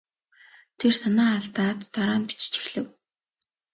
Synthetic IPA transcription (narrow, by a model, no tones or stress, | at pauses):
t̪ʰersanaːɮt̪aːt̪ːaɾaːnpi̥t͡ɕt͡ɕi̥xɮɘ̆w